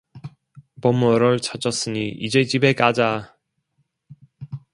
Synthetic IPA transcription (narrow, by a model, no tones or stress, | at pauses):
pʌmʌɾʌɭt͡ɕʰat͡ɕ͈ʰʌs͈ɯɲiʔid͡ʑe̞t͡ɕibe̞k͈ad͡ʑa